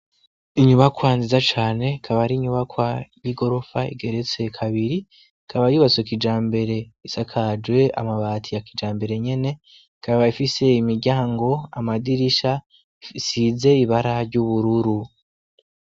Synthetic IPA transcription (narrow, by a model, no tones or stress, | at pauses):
iɲuβakwanzizat͡ʃaːne̞kʰaβaɾiɲuβakwajiɡo̞ɾo̞faḭɡe̞ɾet͡se̞kʰaβiɾi | kʰaβajuːβat͡swekid͡ʒaːmbe̞ɾe̞isakʰad͡ʒwe̞a̰maβaːtʰijakid͡ʒaːmbe̞ɾe̞ɲe̞ne̞ | kʰaβaifise̞imiɾɟaːŋɡo̞a̰madiɾiʃa | isize̞iβaɾaɾɟuβuɾuɾu